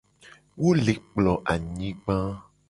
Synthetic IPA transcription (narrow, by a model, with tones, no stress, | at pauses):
wo˦le˨k͡plɔ˨ʔa˨ɲĩ˦ɡ͡bã˦